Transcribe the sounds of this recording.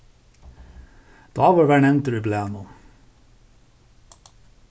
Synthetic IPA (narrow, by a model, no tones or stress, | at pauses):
d̪̥ɑːʋɑːɾʋæːɳɛnt̪əɾibleːnu